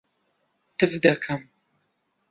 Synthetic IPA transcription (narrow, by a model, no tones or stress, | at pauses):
tʰɨvdɐkʰɐm